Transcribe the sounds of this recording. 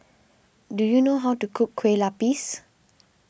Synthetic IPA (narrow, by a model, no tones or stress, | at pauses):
dujunoɦawtukʰukːʰwelapis